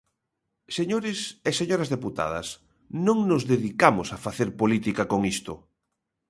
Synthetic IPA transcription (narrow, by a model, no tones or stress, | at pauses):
seɲoɾɪseseɲoɾɐzðeput̪a̰ðɐ̰s | nõŋnʊzðeðikamosafaθeɾpolit̪ikakoŋist̪ʊ